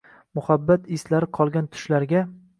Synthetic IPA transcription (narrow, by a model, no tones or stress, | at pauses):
mʊhabːat̪ɪslaɾɪqʰɒlˠɡʲant̪ʰʊ̥ʃlaɾɡʲa